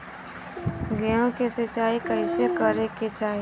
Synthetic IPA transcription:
ɡɛõkesət͡ʃaːikəɪsekəɾeket͡ʃaːɦe

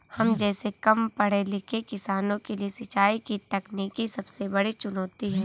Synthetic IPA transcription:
hɐmd͡ʒɛːsekɐmpɐɽ̤elɪkʰekɪsaːnõkeliesɐt͡ʃaːikit̪ɐkniːkisɐbsebɐɽit͡ʃʊnoːt̪iɦɛ̃ː

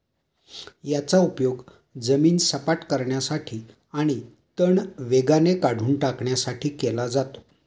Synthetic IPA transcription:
jat͡saupjoɡ | d͡zəmiːnsəpaʈkəɾɳjasaʈʰiː | aɽ̃i | t̪əɳʋeɡanekaɽ̤uːnʈakɳjasaʈʰiːkelad͡zat̪o̥

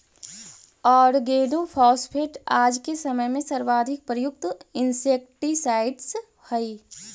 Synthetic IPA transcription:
ɔːɾɡeːnopʰɔːspʰeːʈaːd͡ʒkesɐməjmẽsɐɾʋaːd̪ʱɪk̚pɾəjʊk̚t̪ɪnseːk̚ʈisaːɪɖs | hɐi

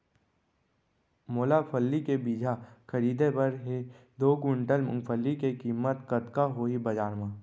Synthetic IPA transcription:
moːlapʰəlːikebiːd͡ʒʱakəɾiːd̪epɐɾɦed̪oːkʊ̃ɳʈəlmʊ̰̃ŋpʰəlːikekiːmːət̪kət̪kaɦoːibɐd͡ʒaːɾmãː

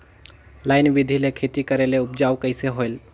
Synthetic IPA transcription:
laːɪnʋɪd̪ʱilekʰet̪ikəɾeleʊp̚d͡ʒaːwkəɪseɦoel

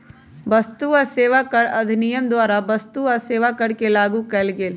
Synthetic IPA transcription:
bɐst̪uɔːɾseːʋakəɾɐd̪ʱnijəmd̪waːɾabɐst̪uɔɾseːʋakɐɾkelaːɡukɛlɡeːl

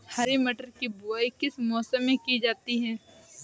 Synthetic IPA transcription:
haɾiməʈəɾkibuaikɪsmɔːsəmːẽkid͡ʒaːt̪iɦɛː

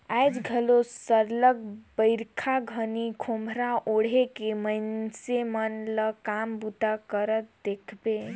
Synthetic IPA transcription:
ajd͡ʒɡʱəlosəɾləɡbəɪɾkʰaɡʱənikʰomʱɾaʔoɽ̤ekeməjnsemənləkambut̪akəɾət̪̚d̪ekʰbe

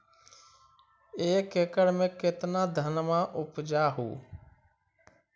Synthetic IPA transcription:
eːkeːkəɽmẽːket̪naːd̪ʱənmãːʔʊpd͡ʒaːɦṵː

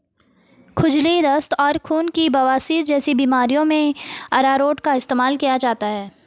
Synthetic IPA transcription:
kʰʊd͡ʒlid̪əst̪ɔːɾkʰuːnkibɐʋaːsiːɾd͡ʒɛːsibiːmaːɾijõmẽɐɾaːɾoːʈkaɪst̪eːmaːlkijad͡ʒaːɦt̪aɦɛː

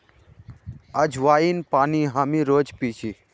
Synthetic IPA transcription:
əd͡ʒʱʋaːiːnpaːniːɦaːmiːɾoːd͡ʒpiːt͡ʃʰiː

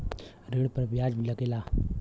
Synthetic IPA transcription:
ɾeːɽpəɾbjaːd͡ʒbʱilɐɡelaː

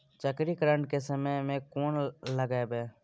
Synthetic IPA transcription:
t͡ʃəkɾiːkɾəɳɖ̚keːsəmeːmẽːkoːnləɡeːbeː

